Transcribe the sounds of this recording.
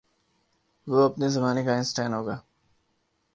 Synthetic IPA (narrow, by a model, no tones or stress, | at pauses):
ʋoːɐpnezɐmaːnekaɪ̃nsʈɛːnɦoːɡaː